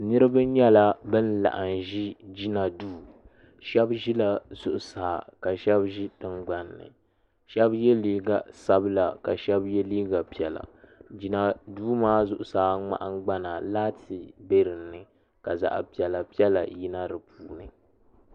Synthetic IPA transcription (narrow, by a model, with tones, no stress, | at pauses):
nɨ˦ɾɨ˦ba˦ɲɛ˦la˦bɨ˦n˦la̰˨ʔa˨nʒi˦d͡ʒi˦na˨duː˦ | ʃɛ˦bʒi˦la˨z̥ʊ˨ʔʊ˨saː˨ka˨ʃɛ˦bʒi˦dɨ˦ŋɡ͡ba˨nːɨ̰˨ | ʃɛ˦bjɛ˦liː˦ɡa˨sa˦bla˨ka˨ʃɛ˦bjɛ˦liː˦ɡa˨pi˨ɛ˨la̰˨d͡ʒi˦na˨duː˦maː˦zʊ˨ʔʊ˨saː˨˦ŋ͡ma̰˦ʔa˦ŋ˦ɡ͡ba˦na˨laː˦tʰi˨be˦ɾɨ˨nːɨ˨ | ka˨za̰˨ʔa̰˨pi˨ɛ˨la˨pi˦ɛ˦la̰˨ji˦na˦ɾɨ˨pʰuː˨nɨ˨